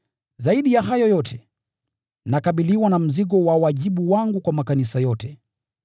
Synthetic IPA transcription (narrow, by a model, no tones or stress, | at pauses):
zaiɗijaɦajɔjɔtʰɛ | nakaɓiliwanam̩ziɠɔwawaʄiɓuwaŋɡukwamakanisajɔtɛ